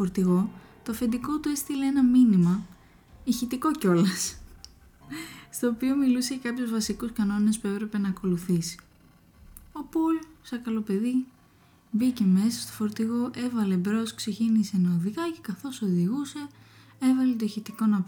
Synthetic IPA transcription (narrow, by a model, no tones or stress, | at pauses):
foɾt̪iɣo̞t̪ofe̞nd̪iko̞t̪ue̞st̪ileenɐminimɐ | içit̪iko̞co̞lɐs | st̪o̞ːpio̞milusejɐkɐpçozvɐsikuskɐno̞ne̞spue̞pɾe̞pe̞nɐːko̞luθisi̥ | o̞pulsɐkɐlo̞pe̞ði | bice̞me̞sɐst̪o̥fo̞ɾt̪iɣo̞ʔe̞vɐle̞bɾo̞skse̞cinise̞nɐoðikɐce̞kɐθo̞so̞ðiɣuse̞ | e̞vɐle̞t̪oiçit̪iko̞nɐp